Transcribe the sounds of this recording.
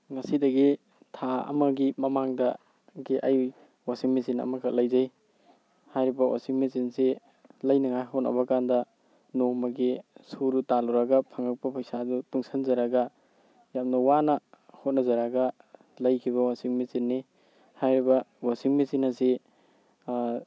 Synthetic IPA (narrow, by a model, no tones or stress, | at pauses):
ŋɐsidɐɡi | tʰaɐ̰mɐɡimɐmaŋdɐ | ɡiʔɐj | wasiŋmisinɐ̰mɐkʰalɐjzaj | hajɾibɐwa̰siŋmisinse | lɐjnɐŋajɦot̚nʔɐ̰bɐkandɐ | nomɐɡisuɾutaluɾaɡɐpʰaŋak̚pɐpʰɐjsadutuŋsʰanzaɾaɡɐ | jam̚nɐwanɐhot̚nɐzaɾaɡɐ | lɐjkʰiβɐwasiŋmisinːi | hajɾibɐwasiŋmisinase